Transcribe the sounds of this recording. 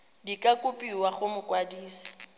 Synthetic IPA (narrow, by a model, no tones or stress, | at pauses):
dikʼakʼʊpʼiwaχʊmʊkʼwadiːsḁ